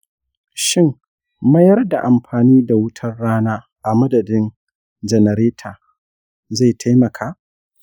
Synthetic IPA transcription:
ʃɪ˦˨mː | ɐ˦jɐ˦rda˨ʔa˨mɸaː˨niː˦da˨wʊ˦tʰɐ˦rːaː˦naː˦ | ʔa˨mɐ˦dɐ˨dɪ˦n | d͡ʒɛ˨nɐ˨ɾeː˦tʰaː˨ | za˦˨tʰa˦jmɐ˨kʰaː˦

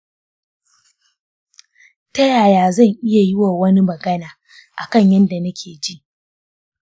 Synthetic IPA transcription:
tɐ˦jaː˨jaː˨zɐ˦˨ŋʔɪ˦ja˨jɪ˦wa˨wɐ˦ni˦mɐ˨ɡɐ˦naː˨ | ʔa˨kɐ˦˨ɲjɐ˦nda˨nɐ˦kʲʰeː˨d͡ʒi˦ʔ

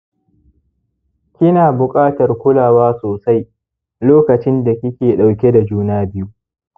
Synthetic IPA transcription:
kʲɪ˦naː˨bʊ˨kʼaː˦tɐ˨rkʷʊ˦laː˨waː˦soː˨sa˦j | loː˦kɐ˨t͡ʃɪ˦nda˨kʲɪ˦kʲeː˨ɗa˨wkʲe˦da˨d͡ʒuː˦naː˦bɪ˦ju˦

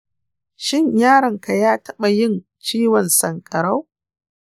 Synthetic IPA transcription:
ʃɪ˦˨ɲjaː˦ɽɐ˨ŋka˨jaː˦tʰɐ˦ɓa˨jɪ˦n | t͡ʃiː˦wɔ˨nsɐ˨ŋkʼɐ˨ɽa˦w

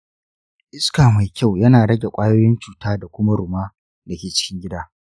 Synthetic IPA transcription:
ʔɪ˦skaː˨ma˨jkʲʰa˦˨wjɐ˦naː˨ɽɐ˦ɡʲe˨kʷʼaː˦joː˦jɪ˦nt͡ʃuː˨taː˦da˨kʷʊ˦ma˦ɽʊ˨maː˦ | dɐ˨kʲeː˨t͡ʃɪ̥˦kʲɪ˦ŋɡʲɪ˦daː˦

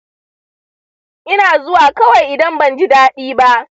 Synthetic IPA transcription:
ʔɪ˦naː˨zʊ˦waː˨kɐ˦wa˨jʔɪ˨dɐ˦mbɐ˨nd͡ʒɪ˦daː˦ɗiː˦ba˦ʔ

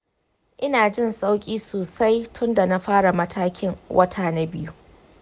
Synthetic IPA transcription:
ʔɪ˦naː˨d͡ʒɪ˦˨nsʼa˦wkʲʼiː˦soː˨sa˦jtʰʊ˦nda˨na˦ɸaː˦ɽa˨mɐ˦tʰaː˦kʲɪ˦ŋwʔɐ˦tʰa˨na˦bɪ˦ju˦

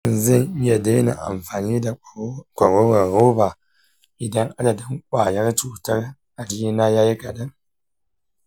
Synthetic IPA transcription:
n˨zɪ˦˨n˦jɛ˨de˦na̰˨ʔa̰˨mfaː˨ni˦da˨kʷa˨ɾo˦ɣa˨ɾo˦ba˨ | i˨da˦ŋʔa˦la˨dɨ˦ŋkʷaː˨ja˦ɾtuː˨ta˦ɾ | a˨d͡ʒi˦i˦na˦ja˦ji˦ka˨dɨ˦

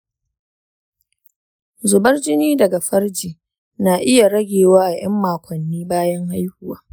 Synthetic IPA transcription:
zʊ˨bɐ˦rd͡ʒɪ˦niː˦dɐ˨ɡa˨ɸɐ˦rd͡ʒiː˨ | naː˨ʔɪ˦ja˨ɽɐ˦ɡʲeː˨waː˦ʔa˨j̰ɐ˦mːaː˨kʷʰɔ˨nːiː˦baː˦jɐ˦ŋha˦jhʊ˨waː˦

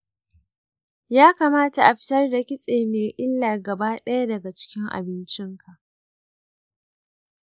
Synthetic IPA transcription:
jaː˦kaː˨maː˦ta˨ʔa˨ɸɪ̥˦tɐ˦rda˨kʲɪ˦sʼeː˨meː˨ʔɪ˦lːaː˨ɡɐ˨baː˦ɗɐ˦ja˦dɐ˨ɡa˨t͡ʃɪ̥˦kʲɪ˦ŋʔa̰˨bɪ˦nt͡ʃɪ˦ŋkʰa˨ʔ

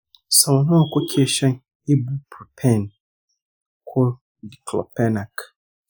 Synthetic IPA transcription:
sa˨lnʊ̃˦a˨kʰʊ˦kʰɪ˦e˦˨ɕɛ̃˦n | e˦bu˦pʰpʰɛ̃˦˨n | kʰʊ˦ | di˨kʰlɔ̰˨pʰɛ˦na˨kʰ

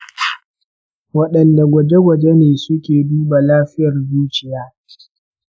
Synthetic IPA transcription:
wɐ˦ɗɐ˨nda˨ɡʷɐ˨d͡ʒe˦ɡʷɐ˨d͡ʒe˦neː˨sʊ˦kʲeː˨duː˦ba˨laː˦ɸɪ˦jɐ˨rbuː˦t͡ʃɪ˨jaː˦

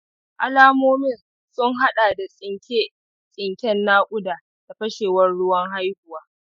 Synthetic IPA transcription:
ʔa˦laː˦moː˦mɪ˦˨n | sʊ˦ŋɦa˦ɗaː˨da˨sʼɪ˦ŋkʲe˦ | sʼɪ˨ŋkʲɛ˦nːaː˦kʷʼʊ˦daː˨ | da˨ɸɐ˦ʃeː˨wɐ˦nɽʊ˦wɐ˦ŋɦa˦jhʊ˨waː˦

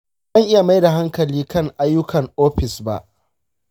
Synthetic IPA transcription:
zɐ˦˨ŋʔɪ˦ja˨ma˦jda˨ɦa˦ŋkɐ˨liː˦kɐ˦˨ŋʔa˦jːʊ˦kʰɐ˨ŋʔoː˦ɸɪ˨sba̰˦ʔ

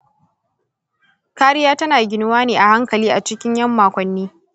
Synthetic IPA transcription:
kaː˦ɾɪ˦jaː˦tɐ˦naː˨ɡʲɪ˦nʊ˦waː˦neː˨ʔa˨ha˦ŋkɐ˨liː˦ʔa˨t͡ʃɪ˦kʲɪ˦ɲjɐ˦mːaː˨kʷɔ˨nːiː˦

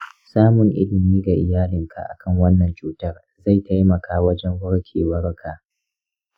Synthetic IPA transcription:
saː˦mʊ˨ŋʔɪ̰˦lɪ˨miː˦ɡa˨ʔɪ˨jaː˦lɪ˨ŋkʰa̰˨ʔa̰˨kɐ˦˨ŋwɐ˦nːɐ˨nt͡ʃuː˦tɐ˦r | za˦˨jta˦jmɐ˨kʰaː˦wɐ˦d͡ʒɛ˦ŋɡɐ˦ɽkʲʰeː˨wɐ˦ɽkʰa˨ʔ

